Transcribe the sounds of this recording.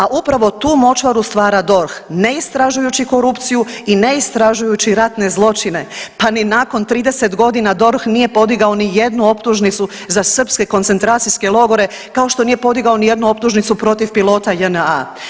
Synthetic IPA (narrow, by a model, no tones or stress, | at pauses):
aʔupɾaʋo̞t̪uːmo̞t͡ʃʋaɾust̪ʋaːɾad̪o̞ɾxne̞ist̪ɾaʒujut͡ɕiko̞ɾupt̪sijuineist̪ɾaʒujut͡ɕiɾat̪ne̞zlˠo̞t͡ʃine̞paninaːko̞nt̪ɾiːd̪e̞se̞t̪ɡo̞d̪inad̪o̞ɾxnije̞po̞d̪iɡao̞nije̞d̪nuo̞pt̪uʒnit̪su | zasr̩pske̞ko̞nt̪se̞nt̪ɾaːt̪sijske̞lo̞ɡo̞ɾe̞ | kao̞ʃt̪o̞nije̞po̞d̪iɡao̞nije̞d̪nuo̞pt̪uʒnit̪supɾo̞t̪ifpilˠo̞ːt̪ajəna